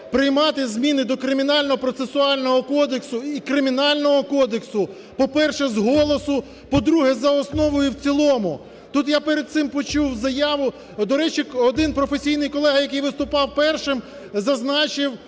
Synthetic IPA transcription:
pɾɪjmɑt̪ɪzmʲinɪd̪ɔkɾɪmʲinɑlʲnɔɦɔpɾɔt̪sesʊɑlʲnɔɦɔkɔd̪eksʊikɾɪmʲinɑlʲnɔɦɔkɔd̪eksʊ | pɔpɛrʃɛzɦɔlˠɔsʊ | pɔd̪ɾuɦɛzɐɔsnɔʋʊjʊwt͡sʲilˠɔmʊ | t̪ut̪japeɾed̪̚t̪sɪmpɔt͡ʃuwzɐjɑʋʊ | d̪ɔɾɛt͡ʃiɔd̪ɪnpɾɔfesʲijnɪjkɔlˠɛɦɐjɐkɪjʋɪst̪ʊpɑwpɛrʃɪm | zɐznɑt͡ʃɪw

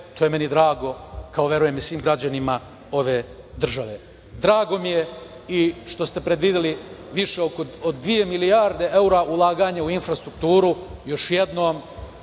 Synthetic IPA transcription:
t̪ʰojemenid̪ɾaːɡo̞kʰaoʋje̞ɾuje̞misʋiːmɡɾad͡ʑanima | o̞ʋe̞ː | d̪r̩ʒaʋe̞ | d̪ɾaːɡo̞mije̞ | iʃt̪o̞st̪e̞pɾe̞d̪ʋid̪eliʋiʃe̞okood̪ːʋije̞milijaːɾd̪e̞ʔeuɾaʔulˠaːɡaːɲauinfɾast̪ɾuk̚t̪uːɾujo̞ʃjed̪no̞ːm

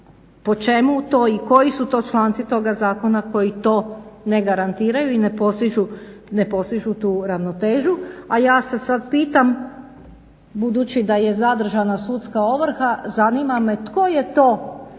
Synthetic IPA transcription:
po̞t͡ʃe̞mut̪o̞ːiko̞jisut̪o̞ːt͡ʃlˠaːnt̪sit̪o̞ɡazaːko̞nako̞jit̪o̞ːne̞ɡaɾant̪iːɾajuinepost̪iʒune̞po̞st̪iʒut̪uːɾaʋno̞t̪e̞ːʒuajaːsesad̪piːt̪am | bud̪ut͡ʃid̪aje̞zad̪r̩ʒanasut̪skao̞ʋɾ̩xazaniːmame̞t̪ko̞je̞t̪o̞ː

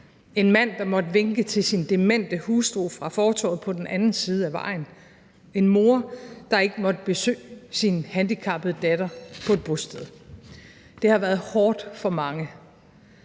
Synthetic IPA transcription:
e̝nmæn̰d̥ɑ̈mɒ̽d̥əʋeŋɡ̥ət͡sʰe̝lsind̥e̝men̰d̥əhuːsd̥ʁo̰ːfʁɑ̈fɒːt͡sʰɒ̰ːð̩ˠpʰɒ̽d̥enʔænn̩siːð̞ˠəæʋɑ̈ɪ̰n̩ | e̝nmo̝ɐd̥ɑ̈e̝ɡ̥əmɒ̽d̥əb̥e̝sø̰ːsinhænd̥ikʰɑ̈b̥ð̩ˠd̥æd̥ɐpʰɒ̽e̝d̥̚b̥ʁosd̥eð̞ˠ | d̥e̝hɑ̈ʋæːɐð̩ˠhɒːd̥fɒ̽mɑ̈ŋə

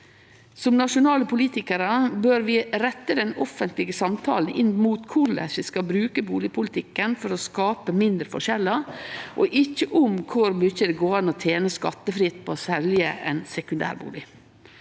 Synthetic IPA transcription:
sɔmnɑʂʊnɑːləpʰʊliːt̪ɪkəɾəbøːɾʋɪɾɛt̪ːəd̪ɛnɔfənt̪lɪɡəsɑmt̪ʰɑ̰ːlnɪnmuːt̪kʰʊɾɭɛ̰ʂɪskɑbɾʉːkəbuːlɪpʰʊlɪt̪ʰɪkːənfɔɾɔskɑːpəmɪnd̪ɾəfɔ̰ʂɛlːəʔɔʔɪçːəʔʊmkʰʊɾmʏçəd̪ɛɡoːɑnɔːt̪ʰeːnəskɑt̪ːəfɾɪt̪ːpʰoːsɛljəʔɛnsɛkʉnd̪æ̰ːɾbṵːlɪ

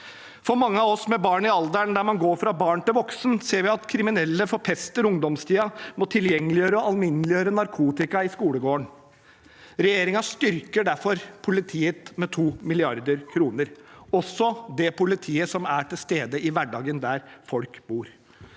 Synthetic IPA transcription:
fɔɾmɑŋːəɑʋɔsmɛbɑːɳɪɑld̪əɳd̪æɾmɑnɡoːɾfɾɑbɑːɳt̪ɪlʋɔksnseːɾʋɪɑt̪kʰɾɪmɪnɛlːəfɔɾpʰɛst̪əɾʊŋd̪ɔmst̪ʰiːɑmɔt̪ʰɪljɛŋːəlɪjøːɾəɔɑlmɪnːəlɪjøːɾənɑɾkʰuːt̪ɪkɑɪskuːləɡoːəɳ | ɾɛjeːɾɪŋɑst̪ʏɾkəɖæɾfɔɾpʰʊlɪt̪ʰiːət̪mɛt̪ʰuːmɪlɪɑɾd̪əɾkʰɾuːnəɾɔsːɔd̪ɛpʊlɪt̪ʰiːəsɔmæʈʰɪlst̪eːd̪əʔɪʋæɖɑːɡənd̪æɾfɔlkbuːɾ

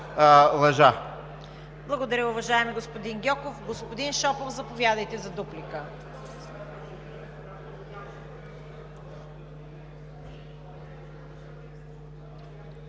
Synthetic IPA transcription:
lˠɐʒa | blˠɐɡod̪ɐɾʲəʊvɐʒaɛmiɡospod̪inɡʲɔkofɡospod̪inʃɔpofzɐpovʲjad̪əjt̪ɛzɐd̪uplikə

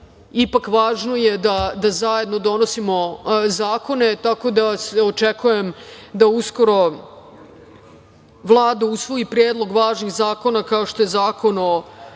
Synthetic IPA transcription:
ipakʋaːʒno̞jed̪ad̪azaje̞d̪no̞d̪o̞no̞simo̞zaːko̞net̪ako̞d̪aseot͡ʂekujemd̪ausko̞ɾo̞ | ʋlˠaːd̪ausʋo̞ipɾjeːd̪lˠo̞ɡʋaːʒnixzaːko̞nakaoʃt̪o̞jezaːko̞no

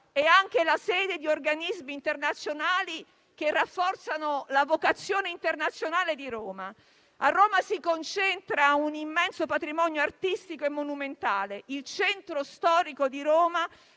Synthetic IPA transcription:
ɛaŋk̟elasɛːd̪ed̪iorɡanizmiːnt̪ernat̪sːjonaːli | k̟erːafːɔrt̪sanolavokat̪sːjoːneint̪ernat̪sːjonaːled̪iɾoːma | arːoːmasikont͡ʃɛnt̪ɾaunimːɛnsopat̪ɾimɔnjoart̪ist̪ikoemːonument̪aːleilt͡ʃɛnt̪ɾost̪ɔːɾikod̪iɾoːma

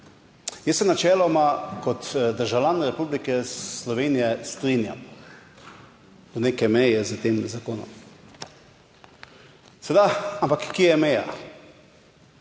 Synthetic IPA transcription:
jɛsːɛnat͡ʃɛːlɔmakɔt̪d̪əɾʒawlʲjʲanɾɛpublikɛslɔʋenijɛst̪ɾinja̰m | əneːkɛmɛjɛzət̪eːmzakoːnɔ̰m | sɛd̪aampakːiɛjɛmɛja̰

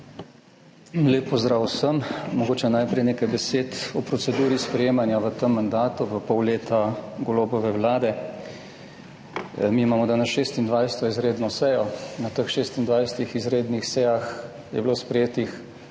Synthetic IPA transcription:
leːpːɔzd̪ɾaːwsəmmɔɡoːt͡ʃɛnajpɾɛjneːkajbɛseːt̪ɔpɾɔsɛd̪uːɾispɾɛjeːmanjaʋət̪əmːand̪aːt̪uʋəpɔwleːt̪aɡoloːbɔʋɛwlaːd̪ɛ | miːmaːmɔd̪aːnɛsʃeːst̪ind̪ʋajsɛ̥t̪ɔizɾeːd̪nɔsɛjɔnat̪əxʃest̪ind̪ʋajsɛt̪ixizɾeːd̪nixsɛjax | jɛ̰bloːspɾɛjeːt̪ix

